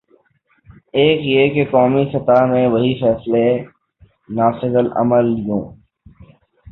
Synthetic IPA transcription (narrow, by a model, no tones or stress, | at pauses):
eːkjekekɔːmisɐt̪amẽʋɐɦifɛːsle | naːsɪɡəlɐ̰məljõː